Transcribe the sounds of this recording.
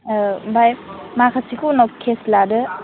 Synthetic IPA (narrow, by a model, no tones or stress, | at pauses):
bajmakʰasikunɔkʰesladɯ